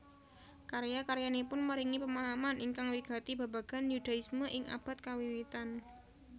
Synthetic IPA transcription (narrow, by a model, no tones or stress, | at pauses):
kaɾjakaɾjanepʊnməɾiŋipəmaɦamanʔiŋkaŋwiɡ̥a̤t̪iba̤ba̤ɡ̥a̤njud̥a̤ɪsməʔɪŋʔa̰b̥a̤t̪̚kawiwit̪an